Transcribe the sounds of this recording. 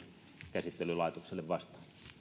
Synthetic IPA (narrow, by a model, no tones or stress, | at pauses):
kæsit̪ːelːylɑˑet̪okselːeʋʋɑst̪ɑ̥ː